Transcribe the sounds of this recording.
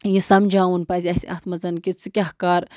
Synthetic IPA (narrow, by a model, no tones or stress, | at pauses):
jisɐmd͡ʒaːwunpɐzʲiɐsʲɐ̰xt̪ʰmɐzɐnkʲit͡sɨkʲɐhkaːɾ